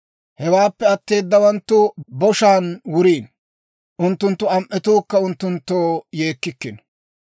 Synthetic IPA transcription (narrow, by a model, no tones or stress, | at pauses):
hɛwaːpːɛɐt̪ːe̞ːd̪ːɐwɐnt̪ːʊbɔʃaːnwʊɾiːn | ʔʊnt̪ːʊnt̪ːʊɐmʔːɛt̪uːkːɐʊnt̪ːʊnt̪ːoːje̞ːkːɪkːɪn